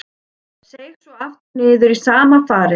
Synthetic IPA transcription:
seːjxsɔaft̪nɪːðʏɾisaːmafaːɾɪ

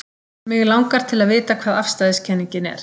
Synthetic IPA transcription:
mɪɣlawŋkaɾ̥t̪ʰɪlaðvɪːt̪akʰv̥aːðafst̪aːðɪscʰɛnːiɲcɪnɛ̰ɾ̥

